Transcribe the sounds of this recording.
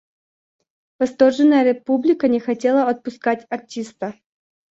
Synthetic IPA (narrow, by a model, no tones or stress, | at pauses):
vɐst̪o̞rʐɨnːəjəɾʲɪpublʲɪkənʲɪxɐtʲelˠəɐt̪̚pʊskatʲɐrtʲist̪ə